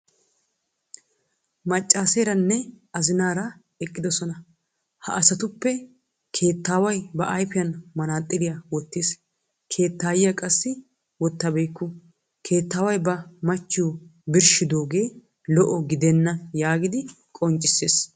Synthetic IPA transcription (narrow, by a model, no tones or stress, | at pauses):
mɐt͡ʃʼːaːseːɾɐnːɛ | ɐzɪnaːɾɐ | ɛkʼːɪd̪ɔsɔnɐ | hɐ̰ʔɐsɐt̪ʊpːɛ | kʰe̞ːt̪ːaːwɐjbɐʔɐjfɪjɐnmɐnaːt̪ʼːɪlɪjawɔt̪ːis | kʰe̞ːt̪ːaːjɪjɐkʼɐsːɪ | wɔt̪ːɐbejkːʊ | kʰe̞ːt̪ːaːwɐjbɐmɐt͡ʃːɪjɔbɪɾʃɪd̪o̞ːɡe̞ː | lɔʔɔɡɪd̪ɛnːɐjaːɡɪd̪ɪ | kʼɔnt͡ʃʼːɪsːeːs